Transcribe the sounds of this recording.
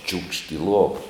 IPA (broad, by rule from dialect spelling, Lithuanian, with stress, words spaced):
t͡ʃʲuːkʃt ɪ ˈlˠuɔʋɐ